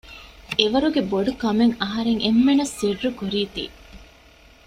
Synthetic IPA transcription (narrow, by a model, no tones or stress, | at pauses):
eʋɐɾuɡeboɖukɐmeŋɐɦɐɾeŋemːenɐsːiɖːukuɾiːt̪ḭː